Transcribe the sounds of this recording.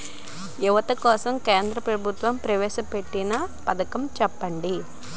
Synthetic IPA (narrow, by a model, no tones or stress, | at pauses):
juʋɐt̪ɐkɔːsɐmkeːnd̪ɾɐpɾɐbʱut̪ʋɐmpɾɐʋɛːʃɐpe̞ʈːinɐpɐd̪ɐkɐmt͡ʃɛpːɐɳɖi